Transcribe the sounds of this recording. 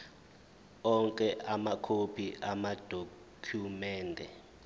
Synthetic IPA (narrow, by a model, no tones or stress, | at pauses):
ɔŋkʼɛʔamakʰopʰiʔamad̥ʱo | kʰjumɛːndʱɛ